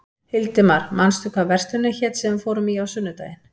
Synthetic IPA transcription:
hɪlt̪ɪmaɾ̥manst̪ʏkʰavɛr̥st̪ʏnːɪçɛt̪sɛvʏfoːwɾʏmiawsʏnːʏt̪a̰ːjɪn

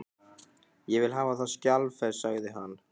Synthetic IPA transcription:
jɛvɪlɦaːvaθaðscalvfɛɾsaɣðɪɦan

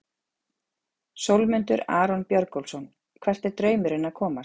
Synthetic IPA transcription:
sowlmʏnt̪ʏɾa̰ːɾɔnpjœɾkowlsɔn | kʰvɛr̥t̪ɛɾt̪ɾœːɥmʏɾɪnaðkʰɔːma

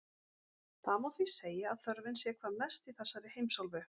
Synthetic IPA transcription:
θaðmawθviseːjaaðθœɾvɪnsjɛkʰvaɾmɛst̪iθɛsaɾɪhejmsɔlvʏ

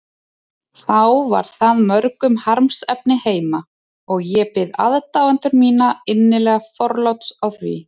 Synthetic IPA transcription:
θawva̰ɾ̥θaðmœɾkʏmhaɾmsɛp̚nɪheːjma | ɔɣjɛpɪða̰ðt̪awɛnt̪ʏɾmiːnaɪnːɪlɛːɣafɔɾlawt̪sawθvḭ

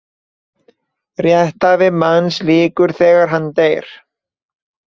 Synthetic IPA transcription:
rjɛht̪avɪmansliːkʏɾ̥θɛːɣaɾ̥ɦant̪ejɾ̥

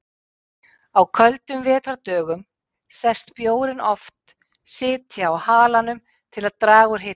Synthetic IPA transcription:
awkʰœlt̪ʏmvɛːt̪ɾat̪œːɣʏm | sɛst̪pjoːwɾɪnɔft̪ | sɪːt̪ʰjaːwhaːlanʏm | t̪ʰɪlaðt̪ɾaːɣʏɾ̥ɦɪː

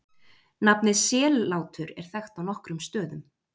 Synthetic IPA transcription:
napnɪsɛːlaːwt̪ʰʏɾɛ̰ɾ̥θɛxt̪awnɔhkɾʏmst̪œːðʏm

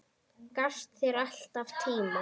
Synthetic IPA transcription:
kast̪θɛɾal̥t̪avt̪ʰiːma

